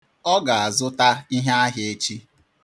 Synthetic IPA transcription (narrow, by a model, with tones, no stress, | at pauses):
ɔ˦ɡa˨a˨zʊ˦ta˦i˦ɦa˦a˦ɦe˦e˦t͡ʃi˦